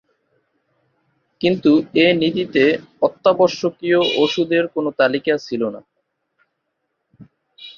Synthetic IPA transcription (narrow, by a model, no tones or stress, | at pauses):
kint̪uenid̪it̪eɔt̪ːabɔʃːokioʔoʃud̪eɾkonot̪alikat͡ɕʰilona̰